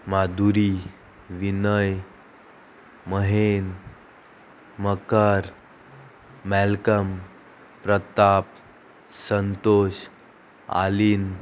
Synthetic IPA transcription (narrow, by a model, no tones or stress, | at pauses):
mad̪uɾi | ʋinəj | məɦen | məkəɾ | mɛlkəm | pɾət̪ap̚ | sənt̪oɕ | a̰liːn